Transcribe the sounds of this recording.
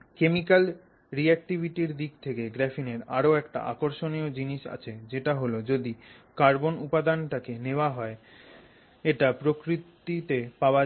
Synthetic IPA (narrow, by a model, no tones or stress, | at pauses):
kemikal | ɾiɛk̚ʈibʱiʈiɾd̪ikt̪ʰekeɡɾɛfineɾa̰ɾoɛkʈa̰ʔa̰koɾʃoniod͡ʑiniʃa̰t͡ɕʰed͡ʑeʈaɦolod͡ʑod̪i | kaɾbonupad̪anʈakeneoaɦɔe | eʈapɾokɾit̪it̪epaoa